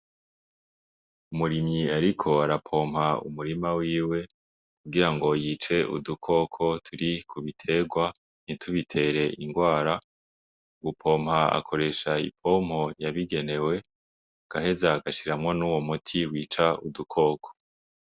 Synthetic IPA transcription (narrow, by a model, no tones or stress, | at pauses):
umuɾimɲiaɾikʰoaɾapʰo̞ːmhaṵmuɾimawiːwe̞ | kuɡiɾaŋɡo̞jiːt͡ʃe̞ʔṵdukʰo̞ːkʰo̞tʰuɾikʰuβitʰe̞ɡwa | nitʰuβitʰe̞ːɾe̞iŋɡwaːɾa | ɡupʰo̞ːmhaa̰kʰo̞ɾe̞ʃaḭpʰo̞ːm̥ho̞jaβiɡe̞ne̞we̞ | ɡ̥aɦe̞zaɡaʃiɾamŋonuːwo̞mutʰiwiːt͡ʃaudukʰo̞ːkʰo̥